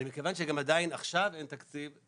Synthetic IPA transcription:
limikavanʃ̬eɡamad̪ainaχʃavent̪akt͡siv

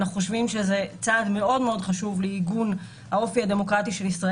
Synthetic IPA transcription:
naχuχo̞ʃvimʃe̞zet͡saːdme̞ʔo̞dmeo̞dχaʃuvleiɡun | hao̞fihade̞mo̞kʁatiʃe̞lisʁa

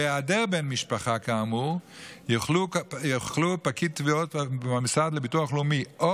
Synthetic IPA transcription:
adeʁbenmiʃpaχakaːmuʁ | joχlujoχlupakittːviotamsad̪lebituaχlumiʔo

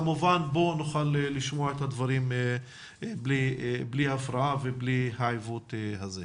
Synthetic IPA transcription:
amuvanbonuχaleliʃmoaet̪had̪vaʁime | bliblihafɾaaveblihaʕajvut̪ehaze

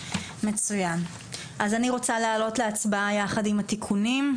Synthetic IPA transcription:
me̞t͡sujan | ʔazaniʁo̞t͡saleaːlo̞tleat͡sbaajaχadimat̪ikʰunim

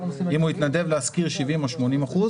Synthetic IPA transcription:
imuit̪nad̪e̞vleaskiʁʃivimo̞ʃmo̞nimaχuz

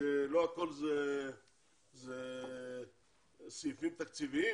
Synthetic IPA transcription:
eloakolze | ze | sijufimt̪ak̚t͡sivii

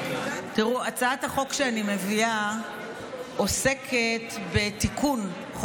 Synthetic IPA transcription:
tiʁuat͡saathaχo̞kʃeanime̞via | o̞se̞kʰetbe̞tikʰun | χ

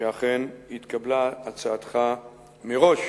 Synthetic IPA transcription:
eaχenhit̪kablaːt͡saːt̪χa | meʁo̞ʃ

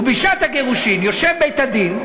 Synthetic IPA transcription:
biʃat̪haɡeʁuʃinjoʃevbejt̪ad̪in

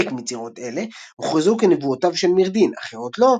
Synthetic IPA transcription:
ekmit͡siʁo̞tele̞ | uχezukenevuotavʃe̞lmiʁd̪ina̰χeʁo̞tlo̞

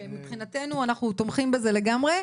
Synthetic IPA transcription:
emipχinat̪e̞nuanaχnut̪omχimbeze̞leɡamʁe̞

